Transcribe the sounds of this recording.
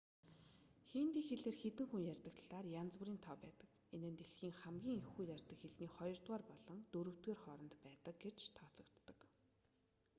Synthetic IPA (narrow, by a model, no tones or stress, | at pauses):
xeːnt̪iːxeɮeːrxet̪ɘ̆ŋxuŋjærʲt̪ə̆k̚t̪ʰɮaːrjant͡sŭɾiːnt̪ʰɔpæːt̪ə̆k | enɘ̆nt̪eɮxiːŋχamɡʲiːŋexuːjarʲt̪ə̆kxeɮniːχɔjɞ̆rt̪waːrpɔɮɞ̆ŋt̪ɵɾɵ̆w̥t̪ɡeːrχɔɾɞ̆nt̪pæːt̪ə̆k̚ɡet͡ɕt̪ʰɔːt͡sə̆kt̪ːə̆k